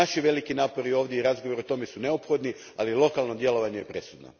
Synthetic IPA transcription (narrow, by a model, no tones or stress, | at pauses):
aʃiʋe̞likinaːpo̞ɾio̞ːʋd̪ʲjeiɾazɡoʋoɾeot̪o̞me̞sune̞opxo̞d̪ni | alilˠo̞kalˠno̞d̪je̞lo̞ʋaɲejepɾe̞sud̪no̰